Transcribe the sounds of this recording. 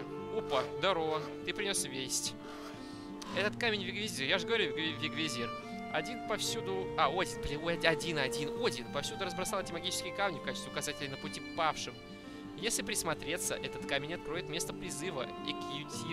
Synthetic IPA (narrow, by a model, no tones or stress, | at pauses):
upəd̪ɐɾov | t̪ɨpɾʲɪnʲosvʲesʲtʲ | ɛt̪ət̪kamʲɪnʲvʲɪɡvʲɪzʲijaʐɨɡəvɐɾʲuvʲɪɡvʲezʲi | ɐdʲinpɐfsʲud̪ʊaodʲɪnplʲɪɐdʲinɐdʲinodʲinpɐfsʲud̪ʊɾəzbɾɐsalˠtʲɪmɐɡʲit͡ɕɪskʲʊjkamnʲɪfkat͡ɕɪst̪ʲɪʊkɐzatʲɪlʲɪjnəpʊtʲipafʂɨm | jesʲlʲɪpɾʲɪsmɐt̪ɾʲe̞t̪sə̰ʔɛt̪ət̪kamʲɪnʲɐt̪̚kɾo̞jɪt̪mʲest̪əpɾʲɪzɨvə̰ | ḭkɪjʊtʲi